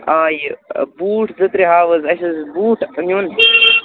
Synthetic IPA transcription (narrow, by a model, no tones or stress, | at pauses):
aːjbuːʈʰzɨt̪ɾiɦaːʋɐzɐʃɐzbuːʈʰnun